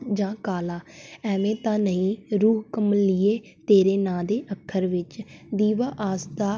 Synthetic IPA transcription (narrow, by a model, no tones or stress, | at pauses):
d͡ʒãːkaːlaːɛːʋẽːt̪ãːnəĩːɾuːɦkəmənlɪeː | t̪eːɾeːnãːd̪eːʔəkʰːəɾʋɪt͡ʃd̪iːʋaːʔaːsd̪aː